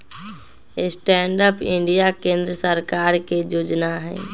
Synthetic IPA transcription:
ɪsʈɛːɳɖəpɪ̃ɳɖijakẽːnd̪ɾəsəɾkaːɾked͡ʒoːd͡ʒnaɦɛ̰̃ː

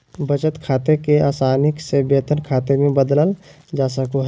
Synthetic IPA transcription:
bət͡ʃət̪kʰaːt̪ekeaːsaːnɪksebeːt̪ənkʰaːt̪emẽbəd̪ləl | d͡ʒaːsəkoɦ

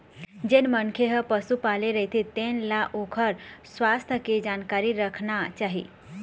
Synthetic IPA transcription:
d͡ʒenmənkʰeɦəpəsupaleɾəɦit̪ʰit̪enlaʔokʰəɾswast̪ʰəked͡ʒankaɾiɾəkʰnat͡ʃaɦḭ

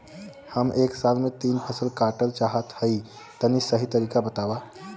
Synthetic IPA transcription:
həmʔeksalmet̪iːnpʰəsəlkaʈəlt͡ʃaɦət̪həi | t̪ənːisəɦit̪əɾiːkabət̪aʋa

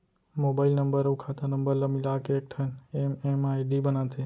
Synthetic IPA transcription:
mobailnəmbəɾəwkʰat̪anəmbəɾləmilakeek̚ʈʰənememajɖibənat̪ʰe

